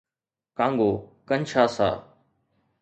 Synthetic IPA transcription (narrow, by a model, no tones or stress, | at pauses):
kãːŋɡoːkənʃʰaːsa̰ː